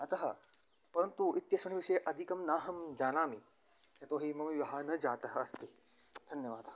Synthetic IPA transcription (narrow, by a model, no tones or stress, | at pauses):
ɐt̪ɐɦɐ | pɐɾɐnt̪uʔit̪jɐsɐɳiʋiʃɐjeʔɐd̪ʱikɐmnaːɦɐmd͡ʒaːnaːmi | jɐt̪oːɦimɐmiʋɐɦaːnɐd͡ʒaːt̪ɐɦɐɐst̪id̪ʱɐnjɐʋaːd̪